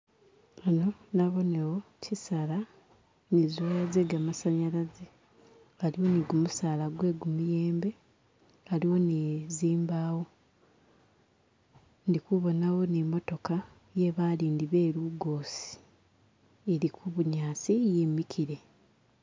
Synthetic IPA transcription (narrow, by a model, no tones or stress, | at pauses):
ano̞naβo̞newo̞cʰisala | nizujazeɡamasaɲalaze | aliwo̞niɡumusaːlaɡwe̞ːɡumuje̞ːmbe̞ | aliwo̞niziːmbaːwo̞ | ndikuβo̞nawo̞nimo̞to̞ka | je̞βaːliːndiβe̞ːɾuɡo̞ːsi̥ | eɾikuβuɲaːsije̞ːmikiɾe̞